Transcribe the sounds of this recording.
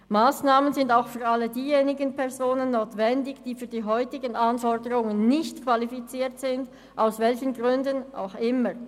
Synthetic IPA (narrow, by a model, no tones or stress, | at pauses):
maːsnaːmənzɪndaʊxfyːɐʁalːədiːjeːnɪɡənpʰɛʁzoːnənːoːtv̥ɛndɪçd̥iːfyːɐdiːɦɔʏtɪɡənʔanfɔʁdəʁʊŋənːɪçtkvalifit͡siːɐtz̥ɪnd | ʔaʊsvɛlçənɡʁʏndənʔa̰ʊxɪməʁ